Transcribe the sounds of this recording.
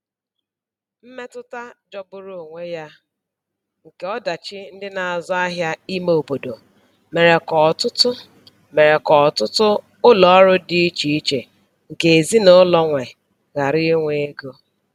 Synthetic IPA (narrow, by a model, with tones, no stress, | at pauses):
m̩˦me˦tʊ˦ta˦d͡ʒɔ˦bʊ˦ɾʊ˦o˨ŋʷe˦ja˦ | ŋ̩˨ke˨ɔ˦da˨t͡ʃɪ˦n̩˦dɪ˦na˨a˨zɔ˦a˦ɦja˦i˦me˦o˨bo˨do˨ | me˨ɾe˨kɔ˨tʊ˦tʊ˦ | me˨ɾe˨kɔ˨ɔ˨tʊ˦tʊ˦ | ʊ˦lɔ˨ɔ˦ɾʊ˦dɪ˦i˦t͡ʃi˦i˦t͡ʃe˨ | ŋ̩˨ke˨e˨zi˦no˦lɔ˦ŋʷe˨ | ɣa˨ɾɪ˦ŋʷe˦e˦ɡo˦